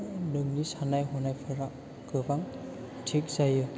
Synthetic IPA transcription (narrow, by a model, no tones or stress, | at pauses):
nɯŋnisanajɦɔnajpʰaɹa | kɯbaŋ | tʰikzajɯ